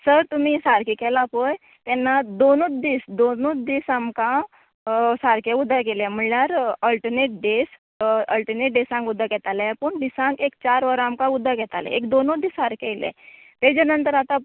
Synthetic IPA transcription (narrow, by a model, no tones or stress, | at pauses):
səɾt̪um̤isaɾkikɛlapoj | t̪ɛnːad̪onod̪iːsd̪onod̪isamkã | saɾkeud̪akelɛ̃m̤əɳljaɾəlʈəneʈ̚ɖes | əlʈəneʈ̚ɖesãŋkud̪ʱːakɛt̪alɛpəɳd̪isãŋkekt͡ɕaɾʋəɾamkãud̪ʱːakɛt̪alɛ̰̃ekd̪onod̪isaɾkɛjlɛ̰̃ | t̪ɛd͡ʑɛnənt̪əɾat̪a